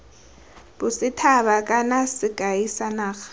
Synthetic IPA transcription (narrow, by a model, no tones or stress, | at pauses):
bʊsɪtʰaβakʼanasɪɡ̥ʱʼajisanaːxḁ